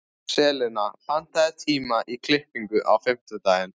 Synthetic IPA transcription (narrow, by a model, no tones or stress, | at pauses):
rɛːlɪnafan̥t̪aðɪt̪ʰiːmaʔikʰlɪhpiŋkʏʔa̰wfɪm̥t̪ʏt̪aːjɪn